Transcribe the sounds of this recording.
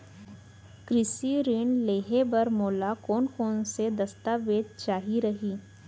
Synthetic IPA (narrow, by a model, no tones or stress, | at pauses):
kɾɪsiɾɪɳleːɦebɐɾmoːlakɔːnkɔːnsed̪ɐst̪aːʋeːd̪̚t͡ʃaːɦiɾɐɦiː